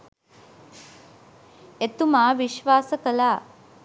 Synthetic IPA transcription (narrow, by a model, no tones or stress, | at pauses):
et̪umaːʋiʃʋaːsɐkɐlaː